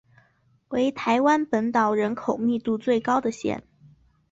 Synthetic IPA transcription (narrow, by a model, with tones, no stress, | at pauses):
we˧˥ɪt̪ʰa˧˥ɪwa˥npə˧˥nt̪ɑ˨˩ʊɻə˧˥nkʰo˨˩ʊmi˥˧t̪u˥˧t͡swe˥˩ɪkɑ˥ʊd̪ə˨ɕjɛ̰˥˩n